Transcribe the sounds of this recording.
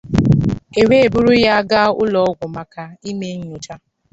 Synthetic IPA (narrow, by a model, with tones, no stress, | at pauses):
e˨we˦˨bʊ˦ɾʊ˦ja˦ɡa˦ʊ˦lɔ˨˦ɡʷʊ˨ma˨ka˦i˦me˦ɲ̩˦ʊ˨t͡ʃa˦